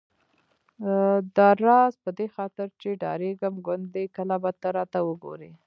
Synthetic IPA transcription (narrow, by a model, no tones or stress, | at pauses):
d̪ɑɾɑzpəd̪exɑt̪ɪɾt͡ʃeɖɑ̰ɾeɡəmɡʊnd̪ːekəlabat̪aɾɑt̪awəɡo̰ɾe